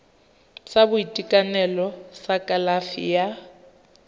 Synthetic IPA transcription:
sabʊitʼikʼanɛlɔsakʼalafḭja

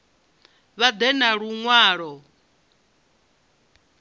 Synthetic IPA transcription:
βad̪ɛnaɺuŋwaːɺɔ

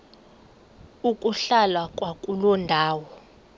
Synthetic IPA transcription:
ukʼuɬalwakʼwakʼulɔndʱaːwɔ

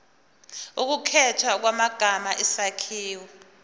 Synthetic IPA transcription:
uk̬ukʰɛtʰwak̬wamaɡ̥ʱamaʔisakʰiːwɛ

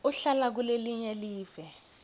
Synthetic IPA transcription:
uɬalak̬uleliɲɛeliːvɛ

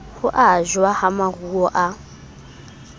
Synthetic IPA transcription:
hʊʔaʒwahamaruɔʔa

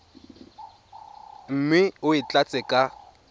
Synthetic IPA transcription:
m̩mɪʊɪt͡ɬʼat͡sʼɛkʼa

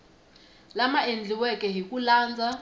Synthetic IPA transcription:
lamaend͡ɮiwɛkʼɛɦikulaːnd͡za

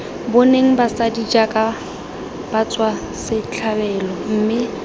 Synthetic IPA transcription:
bʊneŋ̩basadid͡ʒakʼa | b̥at͡sʼwa | sɪt͡ɬʰabɛːlɔm̩ːmɪ

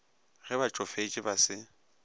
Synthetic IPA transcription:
ɣɛbat͡ʃʼɔfet͡ʃʼɪbasɪ

